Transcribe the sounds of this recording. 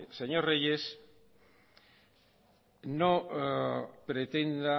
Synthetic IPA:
seɲoɾrejes | no | pɾet̪end̪a

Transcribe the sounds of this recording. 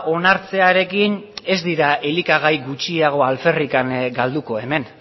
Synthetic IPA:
ʔo̞naɾt͡se̞aɾe̞kine̞zd̪iɾae̞likaɣ̞ajɡut͡ʃiaɣ̞o̞alfe̞rikaŋɡald̪uko̞e̞me̞n

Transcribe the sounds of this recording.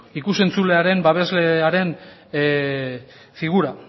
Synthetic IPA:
ikuse̞nt͡sule̞aɾe̞mbaβe̞zle̞aɾe̞n | fiɣuɾa

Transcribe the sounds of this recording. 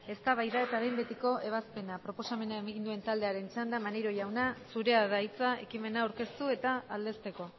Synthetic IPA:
e̞st̪aβajðae̞t̪aβejmbe̞t̪iko̞ʔe̞β̞aspe̞napɾo̞po̞same̞naemaɣind̪ue̞nt̪ald̪e̞aɾe̞nt͡ʃand̪amaneɾo̞ʝawnasuɾe̞aðait͡sae̞̰kime̞naːwɾke̞st̪ue̞t̪aːld̪e̞st̪e̞ko̞

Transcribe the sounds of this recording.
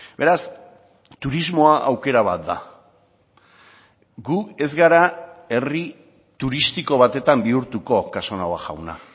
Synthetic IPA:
be̞ɾas | t̪uɾizmo̞aʔawke̞ɾaβ̞at̪̚d̪a̰ | ɡuke̞zɣaɾae̞ri | t̪uɾist̪iko̞β̞at̪e̞t̪ambiuɾt̪uko̞kaso̞nawaʝa̰wna̰

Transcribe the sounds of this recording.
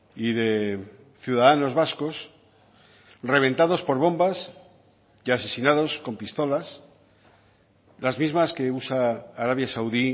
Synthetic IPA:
iðe̞ | θjuðaðano̞zβasko̞s | re̞β̞ẽ̞nt̪aðo̞spo̞ɾβ̞o̞mbas | ʝase̞sinað̞o̞sko̞mpist̪o̞las | lazmizmaske̞usaːɾaβjasawði

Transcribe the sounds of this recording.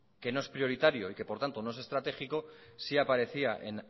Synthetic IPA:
ke̞no̞e̞spɾio̞ɾit̪aɾjo̞ike̞po̞ɾt̪ant̪o̞no̞ese̞st̪ɾat̪e̞xiko̞siapaɾe̞θiaʔe̞̰n

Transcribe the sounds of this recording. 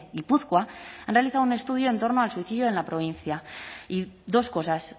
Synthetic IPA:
ipuθkwaanrealiθawune̞st̪uð̞jo̞e̞nt̪o̞ɾnoalsuiθiðjoe̞nlapɾo̞β̞in̟θjaiðo̞sko̞sas

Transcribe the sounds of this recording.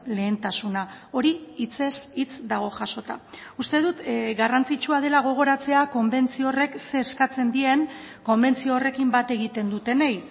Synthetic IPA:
le̞ːnt̪asuna | o̞ɾiit͡se̞sit͡sd̪aɣ̞o̞ʝaso̞t̪a̰ust̪e̞ðut̪ɡarant͡sit͡ʃuað̞e̞laɣ̞o̞ɣ̞o̞ɾat͡se̞ako̞mbe̞nt͡siore̞kse̞ːskat͡se̞nd̪ie̞ŋ | ko̞mbe̞nt͡siore̞kimbat̪e̞ɣ̞it̪e̞nd̪ut̪e̞nej

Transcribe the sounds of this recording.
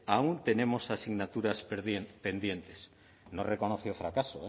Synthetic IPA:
aunt̪e̞ne̞mo̞sasiɣnat̪uɾaspðepe̞nd̪je̞nt̪es | norekonoθjofɾakasoe

